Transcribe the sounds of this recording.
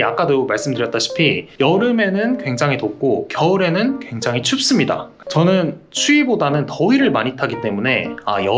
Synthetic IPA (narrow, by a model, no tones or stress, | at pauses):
ak͈adomaɭs͈ɯmdɯɾjʌt͈aɕʰi̥pʰijʌɾɯme̞nɯnkwe̞ŋd͡ʑaŋɦitok͈okjʌɯɾe̞nɯnkwe̞ŋd͡ʑaŋɦit͡ɕʰup̚s͈ɯmɲida̰ | t͡ɕʌnɯnt͡ɕʰuibodanɯntʌiɾɯɭmaɲitʰaɡit͈e̞mune̞a̰jʌ